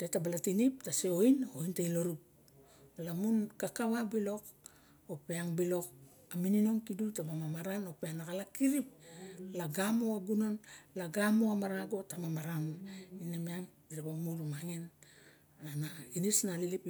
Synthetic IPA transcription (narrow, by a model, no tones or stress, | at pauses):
te̞tabalatinip̚taseoinointailo̞ɾup̚ | lamunkakaβabilo̞k | opeaŋbilo̞k | aminino̞ŋkidutabamamaɾano̞peanakalakiɾip̚laɡamoaɡuno̞nlaɡamoamaɾaɡo̞tamamaɾaninamiaŋ | iɾebamuɾumaŋen | anainisnalilip